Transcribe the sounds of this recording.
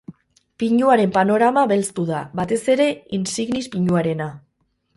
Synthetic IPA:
piɲuaɾe̞mpano̞ɾamaβe̞lst̪uðaβat̪e̞se̞ɾe̞insiɣnispiɲuaɾe̞na

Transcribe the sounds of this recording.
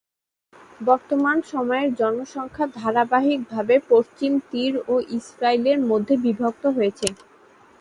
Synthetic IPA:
bɔɾt̪omanʃɔmɔeɾd͡ʑɔnoʃɔŋkʰad̪ʱaɾabaɦik̚bʱabepoʃt͡ɕimt̪iɾoʔisɾaileɾmod̪ʱːebibʱok̚t̪oɦojet͡ɕʰe

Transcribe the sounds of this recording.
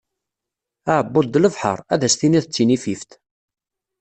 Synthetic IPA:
aʕəbːʊd̪ləvħə̰ɾˤæðæsθiniθət͡sːinifift̪

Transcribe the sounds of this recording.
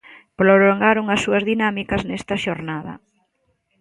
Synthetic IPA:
pɾolloŋɡaɾoŋɐsːuɐzðinamikɐznest̪ɐʃoɾnaðɐ̰

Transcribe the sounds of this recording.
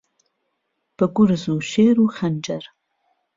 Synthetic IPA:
b̥ɨɡʷʊrzuːʃeːɾuːχɐnd͡ʒɐr

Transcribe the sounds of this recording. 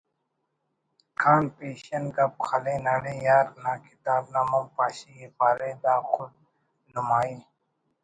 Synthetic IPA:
kʰaːnpeːɕɐnɡɐb̚xʰɐlẽːnɐɽeːjaːɾnaːkit̪aːbnamɐmpaːɕiipaːɾeːd̪aːxʊd̪̚ | numaːiː

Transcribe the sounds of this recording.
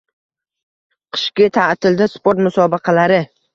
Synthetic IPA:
qʰɨ̥ʃkʲɪt̪ʰat̪ʰɪld̪ɪspoɾt̪mʊsɒbɪqʰɑlaɾɪ

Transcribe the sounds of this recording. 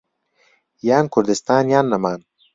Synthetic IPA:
jaːnkʰʊɾd̪ɪst̪aːnjaːnːɐmaːn

